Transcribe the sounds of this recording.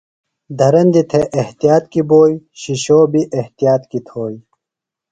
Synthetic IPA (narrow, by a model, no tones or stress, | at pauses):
d̪ʱɐɾɐnd̪it̪ʰeʔeht̪ijaːt̪kiboːjɕiɕoːbiʔeht̪ijaːt̪kit̪ʰoːj